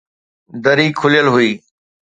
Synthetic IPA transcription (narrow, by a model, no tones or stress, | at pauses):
d̪əɾiːkʰʊlɪjəlɦʊiː